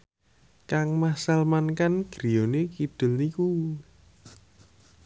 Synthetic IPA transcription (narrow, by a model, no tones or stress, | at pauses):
kaŋmasalmankanɡ̥ɾijonekid̪̥ʊ̤lniku